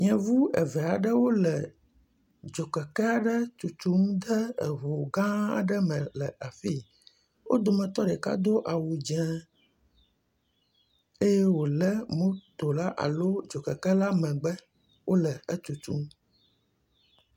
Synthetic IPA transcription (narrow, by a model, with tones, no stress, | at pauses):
ɲɛ̃˨vu˦ɛ̰˨vɛ˨a˨ɖə˦wo˦lɛ˨ | d͡ʒo˨kɛ˨kɛ˦a˨ɖə˦t͡ʃu˨t͡ʃ̪u˦m˦d̪ə˦ɛ˨ɦo˨ɡã˦a̰˨ɖə˦mɛ̃˨lɛ˨a˨fi˦ | wʔo˦d̪o˨mɛ̃˨t̪ɔ˦ɖɛ˨ka̰˦d̪o˦ʔa˨wu˨d͡ʒɛ̃˦ | e˦jɛ˦wo˨lɛ˦mõ˦t̪o˨la˦ʔa̰˨lo˦d͡ʒo˨kɛ˨kɛ˦la˦mɛ̃˨ɡ͡bɛ˦ | wo˦lɛ˨ə˦t͡ʃu˨t̪ṵ˦m